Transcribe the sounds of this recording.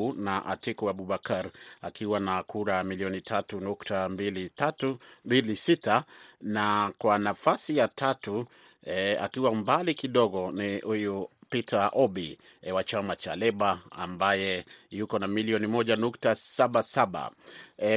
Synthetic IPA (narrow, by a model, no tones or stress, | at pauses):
naʔa̰tikuaɓuɓakaɾakiwanakuɾamiliɔnitʰatunuktambilitatubilisitanakwanafasijatʰatu | ɛa̰kiwambalikiɗɔɣɔnihujupitʰaʔɔɓi | wat͡ʃamat͡ʃalɛɓaa̰mbajɛjukɔnamiliɔnimɔʄanuktasaɓasaɓa̰